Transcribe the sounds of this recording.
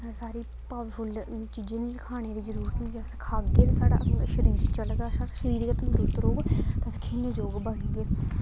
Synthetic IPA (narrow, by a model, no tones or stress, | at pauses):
saːɾiː | paːʋfʰʊlːt͡ʃiːd͡ʒẽːnkʰaːñeːd̪eːd͡ʒəɾuːɾət̪nid͡ʒeskʰaːeːɾsaːɽa̰ːʃəɾiːɾt͡ʃəlɡasaːɽaʃəɾiːɾːət̪nd̪əɾuːɾət̪ɾoːɡt̪ːəsi̥kʰiːneːd͡ʒoːɡbəɽɡeː